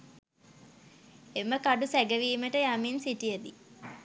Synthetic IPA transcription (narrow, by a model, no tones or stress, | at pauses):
eməkaɖusæɡəʋiːməʈəjaminsiʈijəd̪i